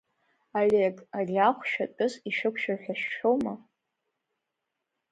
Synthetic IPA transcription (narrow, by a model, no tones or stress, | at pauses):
alʲekʼaraχʷʃᶣat͡pʼʊziʃɨkʷʰʃaħᶣaʃːowma